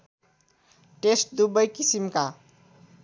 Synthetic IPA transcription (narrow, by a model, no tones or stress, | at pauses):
ʈesʈ̚d̪ubʌjkisimka